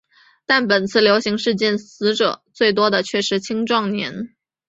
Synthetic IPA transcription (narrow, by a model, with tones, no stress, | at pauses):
t̪a˥˩npə˨˩nt͡sʰɹ̩˥˩ljo˧˥ʊɕi˧˥ŋʂɻ̩˥˧t͡ɕjɛ˥˩nsɹ̩˧˥ʈ͡ʂɤ˨˩˦t͡swe˥˩ɪt̪wɔ˥d̪ə˨t͡ɕʰɥɛ˥˩ʂɻ̩˧˥t͡ɕʰi˥ŋʈ͡ʂwɑ˥˩ŋnjɛ̰˧˥n